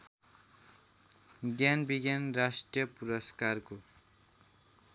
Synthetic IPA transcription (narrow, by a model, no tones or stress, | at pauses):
ɡjanbiɡjanrasʈrijʌpuɾʌskarko